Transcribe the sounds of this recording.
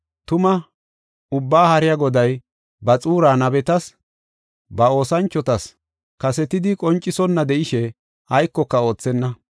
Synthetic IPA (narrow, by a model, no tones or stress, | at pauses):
t̪ʊmɐ | ʊbːaːhɐɾɪjaɡɔd̪ɐj | bɐt͡sʼuːɾaːnɐbɛt̪ɐs | bɐo̞ːsɐnt͡ʃːɔt̪ɐs | kɐsɛt̪ɪd̪ɪkʼɔnt͡ʃʼːɪsɔnːɐd̪ɛʔɪʃɛ | ɐjkːɔkːɐo̞ːt͡sːɛnːɐ